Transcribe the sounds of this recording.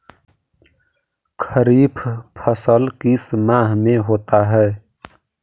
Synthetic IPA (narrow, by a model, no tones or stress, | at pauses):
kʰəɾiːpʰpʰəsəlkismãːɦmẽɦoːt̪aɦɛː